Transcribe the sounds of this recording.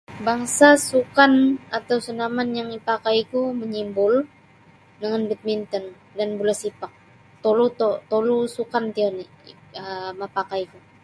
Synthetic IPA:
baŋsasukanat̪awsunamanjaŋipakajkuməɲimbʊl | dəŋanbit̪̚mint̪ən | danbulasipak̚ | t̪olut̪ot̪olusukant̪iani | əmapakajku

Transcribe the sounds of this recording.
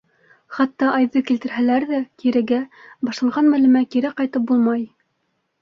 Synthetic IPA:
χɑt̪ːɑʔɑjðɤkilt̪ɘ̆ɾɦælæɾðækiɾɘɡæbɑʃlˠɑɴʁɑnmælʉmækiɾæqɑjt̪ɤp̚bulˠmɑj

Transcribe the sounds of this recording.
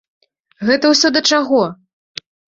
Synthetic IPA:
ɣɛt̪ɐwsʲɔd̪ɐt͡ʂaɣɔ

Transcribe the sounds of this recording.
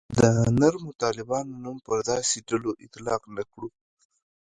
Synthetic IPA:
d̪ənaɾmʊt̪ɑlɪbɑnonumpəɾd̪ɑseɖaloʔɪt̪lɑqnakɽu

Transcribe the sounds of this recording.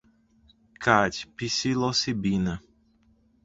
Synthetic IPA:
kʰad͡ʒpisilosibĩnɐ

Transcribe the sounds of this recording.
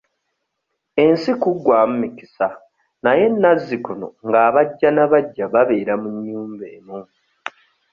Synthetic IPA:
e̞nsikuɡwaːmumiki̥sa | naje̞nːazːikuno̰ŋɡaːβaɟːanaβaɟːaβaβe̞ːɾamuɲːuːmbe̞ːnu

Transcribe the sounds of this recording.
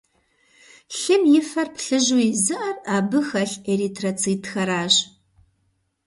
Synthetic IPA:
ɬɪmjɪfɐrpʰɬɨʒwiːzɨʔɐraːbɨxɐɬeɾitʰrɐt͡sʰiːtʰxɐɾaːʒ

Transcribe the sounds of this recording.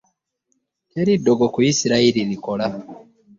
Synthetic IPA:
teɾidoɡokuisiɾaililikola

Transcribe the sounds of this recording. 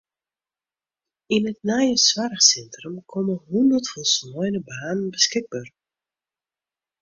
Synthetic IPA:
inətnaːjəswarəxsɛntrəmkʰɔməɦundərtfɔlˠsmɔjnəbaːnənbəskɪɡ̚baːr

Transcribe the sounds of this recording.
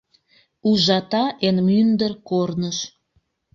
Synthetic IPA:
uʒɑt̪ɑʔenmynd̪ərkornəʃ

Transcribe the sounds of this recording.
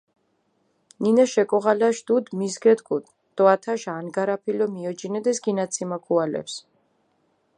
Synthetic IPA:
ninaʃɛkʼɔʁalaʃd̪ud̪mizɡɛd̪ɡud̪ | d̪̥ɔat̪ʰaʃaaːnɡaɾapʰilɔmiɔd͡ʒinɛd̪ɛsɡinat̪sʰimakʰualɛ̰ps

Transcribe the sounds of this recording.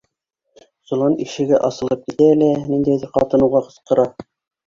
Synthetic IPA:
sŭlˠɑniʃɘ̆ɡɘʔɑsɤ̆lˠɤp̚kit̪æːlænind̪æjðɘɾqɑ̰t̪ɤ̆nɤ̆wʁɑqɤ̆sqɤ̆ɾɑ

